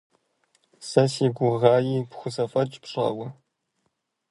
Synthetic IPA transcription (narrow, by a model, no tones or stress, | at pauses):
sɐsiːɡʷʊʁɑːjiːpxʷʊzɐfʼɐt͡ʃʼpɕʼɐ̰wɐ